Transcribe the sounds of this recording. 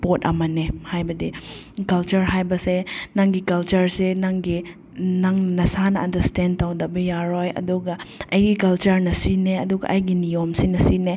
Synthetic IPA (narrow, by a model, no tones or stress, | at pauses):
potɐ̰mɐnehajbɐdi | kɐlt͡ʃɐɾɦajbɐsenaŋɡikɐlt͡ʃɐɾsenaŋɡi | naŋnɐsanɐɐndɐɾsten̚tawdɐbɐjaɾojɐ̰duɡɐɐjɡikɐlt͡ʃɐɾnɐsineɐduɡɐ̰ʔɐjɡinijomsinɐsine